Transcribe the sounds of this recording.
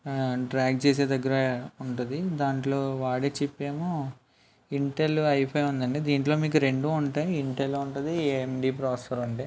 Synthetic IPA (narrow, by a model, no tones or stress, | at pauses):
ɖɾaːɡ̚t͡ʃeːs̬eːd̪ɐɡːɐɾɐuɳʈund̪id̪aːɳʈlo̞ːʋaːɽet͡ʃipːeːmoː | iɳʈelːuɐjpʰɐjʋund̪ɐɳɖid̪iːɳʈlo̞ːmiːk̬uɾe̞ɳɖuːuɳʈaːjiiɳʈeluuɳʈund̪iemɖiːpɾaːspɐɾɐɳʈeː